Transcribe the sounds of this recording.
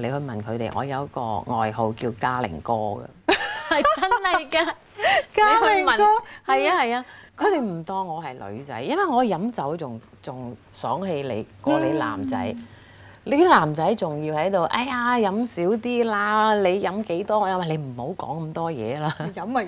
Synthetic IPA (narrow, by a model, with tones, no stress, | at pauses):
le˨˧jhɵ˧ɥmɐ˨˩nkʰɵ˨˧t̪ḛ˨jŋʔɔ̰ː˨˧jɐ˨˧wkɔ̰ː˧ŋɔ̰ː˨jɦo˨wki˧wkaː˧lɪ̰˨˩ŋkɔː˧ɡɐ̰˧hɐ˨jt͡sɐ˥nhɐ˨jkaː˧ | ka˨˧˨mɐ˨˩ɔ˥hɐ˨jaː˧hɐ˨jaː˧kʰɵ˨˧ɥt̪e˨˩jm̩˨˩t̪ɔː˧ŋːɔː˨˧hɐ˨jlɵ̰˨˧ɥt͡sɐ̰˨˥jːɐ˥nwɐ˨˩jŋɔː˨˧jɐ˨˥mt͡sɐ˨˥wt͡sʊ˨˩ŋ | t͡sʊ˨ŋ | sœː˨˥ŋhe˧jlḛ˨˩jkɔː˧le˨˧la̰ː˨˩mt͡sɐ̰˨˥j | le˨˥laː˨˩mt͡sɐ˨˥jt͡sʊ˨ŋjiː˧whɐ˨˥jt̪o˨wʔɐ˧˥jaː˧jɐ˨˧˥msiː˨˥wt̪iː˥laː˧le˨˧jjɐ˨˥mke˨˥jt̪ɔː˥ŋɔː˧jɐ˧˥wɐ˨˩le˨˧jm̩˨˩ho˨˥wkɔ̰ː˨˥ŋkɐ˧mt̪ɔː˥jɛ̰ː˨˧laː˧ɐ˧˥m˨